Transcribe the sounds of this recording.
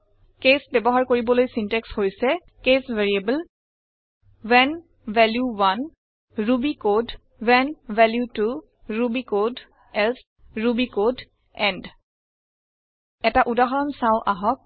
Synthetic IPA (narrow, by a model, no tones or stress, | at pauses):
kesbɛbɔɦaɹkoɹibɔlojsintɛkshojsɛ | kesvɛɹiebəl | wɛn | vɛljuwan | ɹubikod | wɛnvɛljutu | ɹubikod | ɛls | ɹubikod | ɛnd | ɛtaʔudaɦɔɹɔnsaʊʔaɦɔk̚